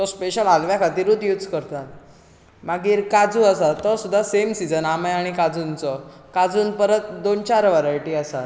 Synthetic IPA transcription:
t̪ɔspeɕəlalʋjakʰat̪iːɾut̪jud͡zkəɾt̪at̪̚ | maɡiːɾkad͡zuəsat̪ːɔsud̪ʱːasemsid͡zənamajaɽ̃ikad͡zunt͡sɔkad͡zuːnpəɾət̪̚d̪ont͡ɕaɾʋəɾajʈiːəsat̪

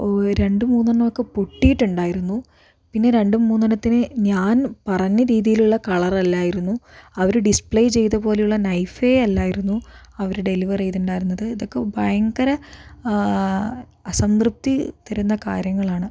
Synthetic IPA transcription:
ɾe̞ɳɖɨmuːnːɐɳːɐmokːepoʈːijiʈːuɳɖaːjiɾunːu | pinːe̞ɾe̞ɳɖɨmuːnːɐnɐt̪ːinɨɲaːnpɐrɐɲːɐɾiːðijiluɭːɐkɐɭɐrɐlːaːjiɾunːuɐʋɐɾuɖispɭejt͡ɕe̞jt̪ɐpoːle̞juɭːɐnɐjfeɐlːaːjiɾunːu | ɐʋɐɾuɖe̞liʋɐrejt̪uɳɖaːjiɾunːɐðɨiðo̞kːe̞bʱɐjɐŋɡɐɾɐ | ɐsɐmrɨp̚t̪it̪ɐɾunːɐka̰ːɾjɐŋːɐɭaːɳɨ

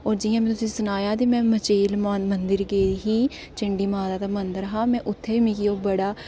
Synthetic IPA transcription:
oːɾd͡ʒɪjãːmɛ̃ːt̪ʊsĩːsʊnaːjaːt̪iːmɛ̃ːmət͡ʃiːlmənd̪əɾɡeːɦiː | t͡ʃɪɳɖiːmaːzaːt̪aːmənd̪əɾɦaːmɛ̃ːʔʊt̪ʰːeːiːmĩkioːbəɽaː

